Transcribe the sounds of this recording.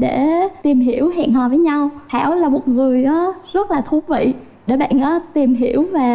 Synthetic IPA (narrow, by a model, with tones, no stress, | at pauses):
ɗe˧˩t̪i˨˩mɦi˧˩˥əwhḭː˧˨ənhɔː˨˩vəː˨˦jɲa˧wt̪ʰaː˧˩wlaː˨˩mo˨˩t̚ŋɨ˨˩əjɗɔ˨˦zə˦˥t̚laː˨˩t̪ʰu˦ək̚vḭ˧˨ | ɗe˧˩ɓa̰ː˧˨nʔɔ˨˦t̪i˨˩mɦi˧˩əwvaː˨˩